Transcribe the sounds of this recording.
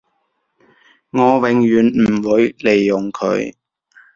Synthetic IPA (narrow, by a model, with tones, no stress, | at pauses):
ŋɔː˨˧wɪ˨ŋjyː˨˩nm̩˨˩wuː˨˥jle˨˩jːʊ˨˩ŋkʰɵ̰˨˧˥ɥ